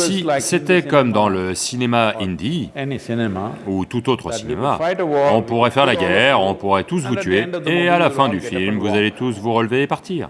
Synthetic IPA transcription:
siset̪ɛkɔmd̪ɑ̃ləsinemaind̪isnut̪ut̪ot̪χəsinḛma̰ɔ̃puʁɛfɛʁlaɡʲɛʁɔ̃puʁɛt̪usvut̪ɥeːalafɛ̃d̪yfilmvuzalet̪usvuʁəlveːpaʁt̪iːʁ

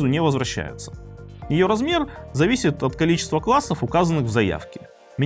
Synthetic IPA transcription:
zʊnʲɪvəzvɾɐɕːæ̰jʊ̰t̪sə̥jɪjo̞ɾɐzmʲe̞rzɐvʲisʲɪt̪ɐt̪kɐlʲit͡ɕɪ̥st̪vəklˠasːəfʊkazənːɨɣvzɐja̰fkʲɪ | mʲɪ

